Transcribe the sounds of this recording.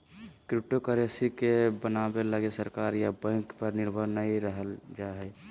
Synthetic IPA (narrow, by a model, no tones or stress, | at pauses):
kɾɪp̚ʈokəɾesikebənabeləɡesəɾkaːɾjabə̃ŋkpəɾnɪɾbʱəɾnəiɾəɦəld͡ʒaɦɛ